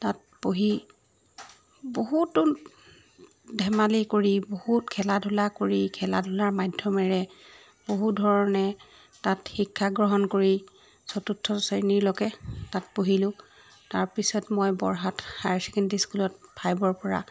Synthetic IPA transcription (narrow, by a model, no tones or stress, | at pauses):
tat̚ | poɦi | boɦutːun | dʱɛmalikoɹibohutkʰɛladʱulakoɹikʰɛla̰dʱʊlaɹmadʱjɔmɛɹɛ | boɦudʱɔɹɔnɛ | tatxikʰːaɡɹɔɦɔnkoɹi | sɔtutʰːɔseniɹlɔɡɛtat̚poɦilʊ̃ | taɹpisɔtmojbɔɹɦathaɹsikɛntiskulɔt̚pʰajbɔɹpɔɹa̰